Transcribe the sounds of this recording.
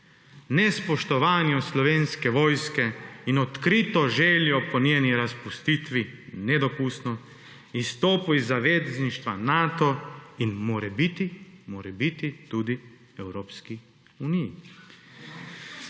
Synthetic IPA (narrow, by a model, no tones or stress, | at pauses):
nɛspɔʃt̪ɔʋaːnjɔslɔʋeːnskɛʋoːjskɛinɔt̪kɾit̪ɔʒɛːljɔpɔnjeːniɾaspust̪it̪ʋinɛd̪ɔpust̪nɔ | ist̪oːpuizːaʋeːzzniʃt̪ʋanaːt̪ɔinmoːɾɛbit̪imoːɾɛbit̪it̪uːd̪i | ɛwɾoːpski | uːniji